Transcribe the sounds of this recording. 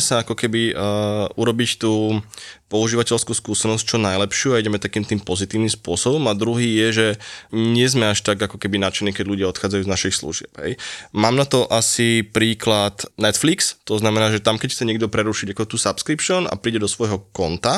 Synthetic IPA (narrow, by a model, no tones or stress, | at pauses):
saakɔkɛbi | uɾɔbict̪uːpɔuʒiːʋacɛlskuskuːsɛnɔsc̚t͡ʃɔnajlɛpʃɪuːaiɟɛmɛt̪akiːmt̪iːmpɔzit̪iːʊnimspʊɔsɔbɔmad̪ɾuɦiːjɛʒɛɲɪɛzmɛaʃt̪aɡakɔkɛbinat͡ʃɛnːiːkɛɟʎuɟɪaɔt̪xaːd͡zajuːznaʃixslṵʒɪɛ̰pɦɛ̰jmaːmnat̪ɔʔasipɾiːklat̪nɛt̪flikst̪ɔznamɛnaːʒɛt̪amkɛcxt͡sɛɲɪɛɡ̚d̪ɔpɾɛɾuʃiɟakɔt̪uːsapskɾipʃɔna̰pɾiːɟɛd̪ɔsʋɔjɦɔkɔnt̪a